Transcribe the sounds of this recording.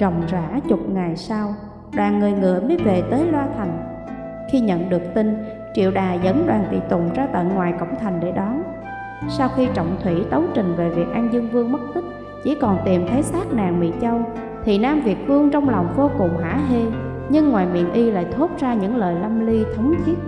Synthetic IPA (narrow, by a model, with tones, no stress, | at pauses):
t͡ɕə̰˨˩˨wŋ͡mzaː˧˥t͡ɕʊ˨˩k͡p̚ŋa˨˩jsa˧w | ɗwaː˨˩nːɨ˨˩əjŋɨ̰˧˨əməː˨˦jve˨˩t̪əː˨˦jlwaː˧t̪ʰa˨˩jŋ̟ | xi˧ɲə̰˧˨nɗɨ˨˩ək̚t̪i˧n | t͡ɕḭ˧˨əwɗaː˨˩zə˨˦nɗwaː˨˩ŋt̪ḭ˧˨t̪ʊ˨˩ŋ͡mzaː˧t̪a̰ː˧˨jŋwaː˨˩jkə̰˧˩wŋ͡mt̪ʰa˨˩jŋ̟ɗe˧˩ɗaː˨˦n | saː˧wxi˧t͡ɕə̰˧˨wŋ͡mt̪ʰwḭ˧˩t̪ə˨˦wt͡ɕï˨˩ŋ̟ve˨˩vi˨˩ək̚ʔaː˧nzɨ˧əŋvɨ˧əŋmə˦˥t̚t̪i˦˥k̚ | t͡ɕḭ˧˩kɔ˨˩nt̪i˨˩mt̪ʰe˨˦jsaː˦˥k̚naː˨˩ŋmḭ˧˨t͡ɕə˧w | t̪ʰi˨˩naː˧mvi˨˩ət̚vɨ˧əŋt͡ɕɔ˧wŋ͡mlɔ˨˩wŋ͡mvo˧kʊ˨˩ŋ͡mɦa̰ː˧˥ɦe˧ | ɲɨ˧ŋːwaː˨˩jmḭ˧˨nʔi˧la̰ː˧˨jt̪ʰo˦˥t̚zaː˧ɲɨ̰˧˥ŋləː˨˩jla˧mli˧t̪ʰə˨˦wŋ͡mt̪ʰi˦˥ət̚